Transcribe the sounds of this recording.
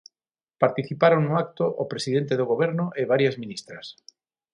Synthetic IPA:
paɾt̪iθipaɾoŋnʊak̚t̪oʔopɾesiðent̪eðoɣ̞oβ̞eɾnʊʔeβaɾjazmĩnist̪ɾas

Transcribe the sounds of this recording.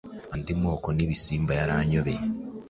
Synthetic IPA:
andimo̞ːkoniβisiːmbajaɾaːɲoβe

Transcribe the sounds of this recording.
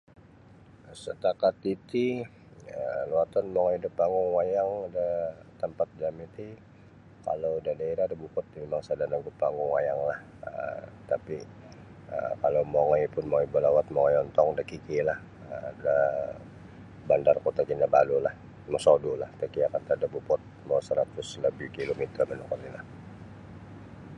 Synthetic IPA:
sət̪akat̪it̪i | əluat̪ɔnmoŋɔjdəpːaŋɡʊŋwajaŋdət̪əmpat̪̚d͡ʒamit̪i | ka̰lowdadaiɾadəbukʊt̪̚memaŋsadanaŋɡupaŋɡʊŋwajaŋlah | ə̰t̪api | ə̰kalomoŋɔjpʊnmojbəlawat̪̚moŋɔjɔnt̪ɔŋdəkikilah | ədə | bandarkot̪akinaba̰lulah | məsodulaht̪əkiakant̪adəbupɔt̪̚mawsəɾat̪ʊsləbɪhkilomit̪ərmənukarnilah

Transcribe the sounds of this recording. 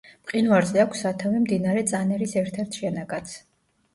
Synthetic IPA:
mʼqʼinvaɾzɛakʷʰsːat̪ʰavimd̪inaɾɛt̪sʼanɛɾisɛɾt̪ʰɛɾt̪ʰʃɛnaɡat̪sʰ

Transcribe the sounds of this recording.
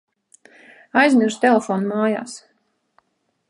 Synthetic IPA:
ajznʲiʒ̥t̪elʲˠefɔːnmaːja̰ːs

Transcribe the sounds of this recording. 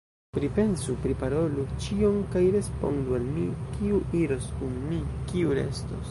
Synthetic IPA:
pɾipe̞nsupɾipaɾo̞lut͡ʃio̞mkajɾe̞spo̞̰ndualmikiuʔiɾo̞skunmikiuɾe̞̰sto̰s

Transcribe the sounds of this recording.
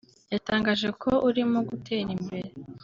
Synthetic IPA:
jataːŋɡaːʒe̞kʰo̞ʔuɾimoɡutʰeɾimbe̞ɾe

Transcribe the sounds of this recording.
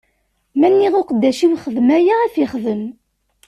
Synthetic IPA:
mænːiʁʊqəd̪ːæʃiwχəðmæjaæfiχðəm

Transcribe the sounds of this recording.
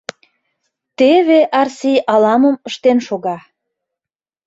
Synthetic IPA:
t̪eβeʔɑrsijʔɑlɑməmə̆ʃt̪enʃoɣɑ

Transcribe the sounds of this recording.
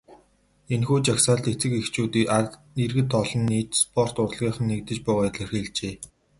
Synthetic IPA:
enxuːt͡ɕaksaːɮt̪et͡sɘ̆kext͡ɕuːt̪iːa | irɣɘ̆t̪ɔɮɞ̆nːiːt͡ɕspʰɔr̥t̪ʊrɮʁiːχə̆nːek̚t̪ɘ̆t͡ɕpʊːʁɔːt̪ɮĕrxeːɮt͡ɕeː

